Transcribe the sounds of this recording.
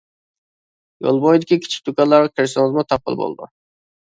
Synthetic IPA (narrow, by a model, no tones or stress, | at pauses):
jo̰lˠbɔjd̪ɪkʲikʲʰi̥t͡ʃʰi̥k̚ʲt̪ʰukʲɑlːˠɑɾʁɑkʲʰeɾsɨnɨzmʊt̪ʰɑp̚ʰːə̰lˠbo̰lˠd̪ʊ̰